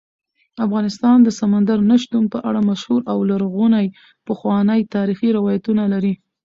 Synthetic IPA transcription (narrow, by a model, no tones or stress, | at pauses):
afɣɑnɪst̪ɑnd̪əsamand̪aɾnaʃt̪unpəʔaɽamaʃhuɾʔawlaɾɣunaj | pəxwɑnəjt̪ɑɾixiɾɪwɑjat̪unalaɾi